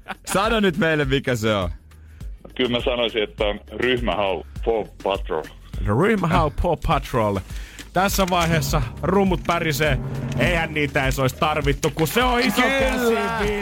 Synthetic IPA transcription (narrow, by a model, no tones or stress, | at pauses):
sɑnonyt̪meilːemikæseo̰ | nokylmæsɑnosiet̪ːæonryhmæhɑupʰopɑt̪ro̰l | ryhmæɑupʰopʰɑt̪rolt̪æsːæʋɑiheːsːɑrumut̪̚pæriseeihænniːt̪æesoist̪ɑrʋit̪ːukuseoisoii